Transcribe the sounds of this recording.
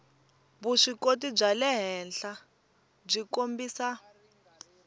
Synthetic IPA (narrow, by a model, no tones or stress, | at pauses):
βuʂikotib͡ʐalɛɦɛnɬa | b͡ʐikombiːsa